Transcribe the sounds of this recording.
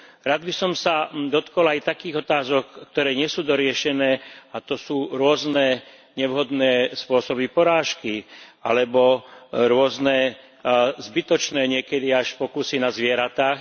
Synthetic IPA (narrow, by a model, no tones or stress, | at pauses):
ɾaːd̪̚bisɔmsad̪ɔt̪kɔlajt̪akiːɣɔt̪aːzɔkːt̪ɔɾɛːɲɪɛsuːd̪ɔɾɪɛʃɛnɛːat̪ɔsuːɾʊɔznɛː | ɲɛʋɦɔd̪nɛːspʊɔsɔbipɔɾaːʃkialɛbɔɾʊɔznɛː | zbit̪ɔt͡ʃnɛːɲɪɛkɛd̪iaʃpɔkusinazʋɪɛɾat̪aːx